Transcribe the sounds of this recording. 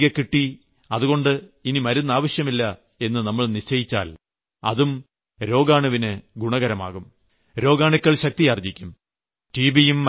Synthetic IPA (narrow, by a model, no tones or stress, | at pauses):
ɣɐkːiʈːi | ɐðuɣo̞ɳɖɨinimɐɾunːɐaːʋɐɕjɐmilːɐ | e̞nːɨnɐmːɐɭniɕt͡ɕːɐjit͡ɕːa̰ːl | ɐ̰ðum | ɾo̞ːɡaːɳuʋinɨɡuɳɐɣɐɾɐma̰ːɣum | ɾo̞ːɡaːɳikʲːɐɭɕɐk̚t̪ijɐrd͡ʑikʲːum | ʈiːbijumː